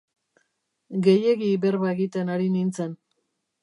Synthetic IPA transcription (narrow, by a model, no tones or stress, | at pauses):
ɡe̞je̞ɣiβe̞ɾβaeɣit̪e̞naɾinint͡se̞n